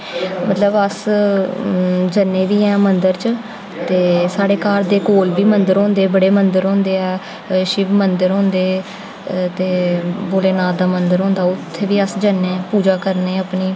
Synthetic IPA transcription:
mət̪ləbəs | d͡ʒənːẽːʋiːɛ̃ːmənd̪əɾt͡ʃ | t̪eːsaːɽeːkaːɾd̪eːkoːlbiːmənd̪əɾɦõːnd̪eːbəɽeːmənd̪əɾɦõːnd̪eːɛː | ʃɪʋmənd̪əɾɦõːnd̪eː | t̪eːboːleːnaːd̪aːmənd̪əɾɦõːnd̪aːʊt̪ʰːeːʋiːəsd͡ʒənẽːpuːd͡ʒaːkəɾneːəpniː

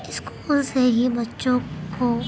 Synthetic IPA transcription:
ɪskuːlseɦibɐtːʃõko

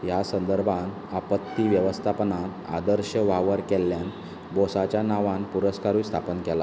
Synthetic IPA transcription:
jasənd̪əɾbʱãn | apət̪ːiʋjəʋəst̪ʰapənat̪a̰d̪əɾɕəʋaʋəɾkɛlːjan | bɔsat͡ɕjanaʋãnpuɾəskaɾuːst̪ʰapənkɛla

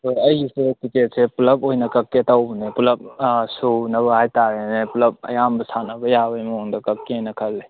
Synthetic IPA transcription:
ojɐjsekiket̚sepulɐpojnɐkɐkːetawbnepulɐp̚sonɐβɐhajtaɾenepulɐp̚ɐ̰jambɐsanɐbɐjabɐjmoŋdɐkɐkːenɐkʰɐlːe

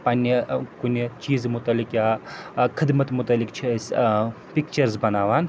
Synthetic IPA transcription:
pɐnikunit͡ʃiːzmʊt̪ɐlːikjakʰɪd̪mɐt̪mʊt̪ɐlːikt͡ʃʰes | pikt͡ʃɐɾzbɐnaːʋaːn

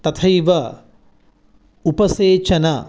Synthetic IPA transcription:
t̪ɐt̪ʰɐjʋɐ | upɐseːt͡ʃɐnɐ

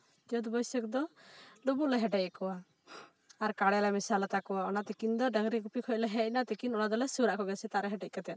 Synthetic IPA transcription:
d͡ʒɔd̪bɔjsəkd̪ɔɗubulɛɦɛʈɛcɛkɔwa | aɾkaɽɛlamisalat̪akɔwaɔnat̪ɛkind̪ɔɖaŋɾikupikʰɔclɛɦɛʔ̚nat̪ɛkinɔnad̪ɔlɛsuɾaʔkɔɡsɛt̪aʔɾɛɦɛʈɛc̚ˀkat̪ɛn

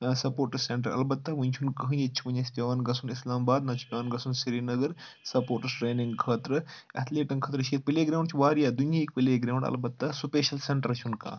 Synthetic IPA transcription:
sɐpoːɾʈɐsseɳʈɐɾɐ̰lbɐt̪ːɐʋɨnʲt͡ʃʰunkɐɦɨ̃net͡ʃʰi̥pɐɲɐsʲpʲɐʋaːnɡɐsʰunislaːmbaːd̪nɐt͡ʃʰi̥pʲɐʋaːnɡɐsunsiɾiːnɐɡɐɾ | sɐpoːʈɐsʈɾeːnĩŋɡkʰɐːt̪ɾɨɐ̰t̪ʰleːʈɐŋkʰɐːt̪ɾɐʃeːt̪̚pileːɡɾaːwɳɖt͡ʃʰiʋaːɾijaːd̪unjaik̚pileːɡɾaːwɳɖɐ̰lbɐt̪ːɐsupeːʃɐlseɳʈɐɾt͡ʃʰunka̰ː

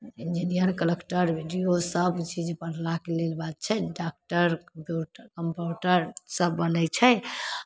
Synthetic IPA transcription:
ind͡ʒinijəɾkəlekʈəɾbʱiɖijosəbt͡ʃʰid͡ʒepənlakelelbat̪̚t͡ʃʰɛɖak̚ʈəɾkmpjuʈkəmpuʈəɾsəbːənət͡ʃʰɛ

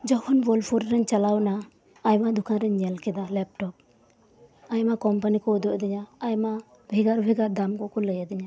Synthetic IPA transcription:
d͡ʒɔhɔnbɔlpʰɔɾɾɛnt͡ʃalawnaː | jmad̪ukʰanɾɛɲɛlkɛd̪alɛp̚ʈɔp̚ | ajmakɔmpanikɔɔd̪ɔʔd̪ɛɲaːjma | bʱɛɡaɾbʱɛɡaɾd̪amkɔʔkɔləjad̪ɛɲa

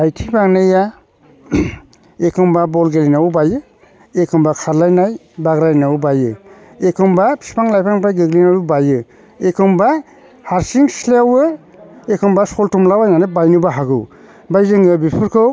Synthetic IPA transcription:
ajtʰibaŋnaja | ekʰɔmbabɔlɡelinawubajɯ | ekʰɔmbakʰaɾlajnaj | baɡɾajnawubajɯ | ekʰɔmbapʰi̥spaŋlajpʰaŋpajɡɯɡlinawɾubajɯ | ekʰɯmba | haɾsiŋslawɯ | ekʰɔmbasɔltumlawajnanɯbajnɯbaɦaɡɯw | bajzɯŋɯbipʰɯɾkʰɯw

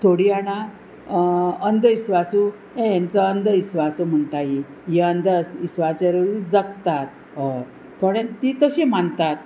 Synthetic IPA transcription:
t̪ʰoɽiana | ənd̪əisʋasu | ẽjãnt͡səənd̪ʱəisʋasom̤əɳt̪aɦi | jeənd̪əsisʋat͡ɕəɾəɾud͡zək̚t̪at̪̚ | ɦə | t̪ʰoɽẽt̪it̪əɕem̤aɳt̪at̪

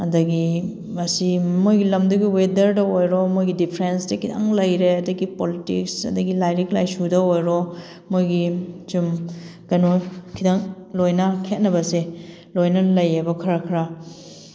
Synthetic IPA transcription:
ɐdɐɡi | mɐsimojɡilɐmduɡiwedɐɾdɐojɾɔmojɡidipʰɾensdɐkʰida̰ŋlɐjɾeɐdɐɡipolitḭksɐ̰dɐɡilajɾik̚lajsudɐojɾo | mojɡit͡ʃumkɐnokʰidaŋlojnɐkʰet̚nɐbɐse | lojnɐlɐjebɐkʰɐɾɐkʰɾa

